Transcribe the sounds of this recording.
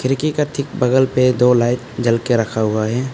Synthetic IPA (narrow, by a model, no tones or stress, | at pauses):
kʰɪɾkikaɾt̪ʰɪk̚bɐɡəlped̪oːlaːɪt̪d͡ʒɐlkeɾɐkʰaɦʊaɦɛː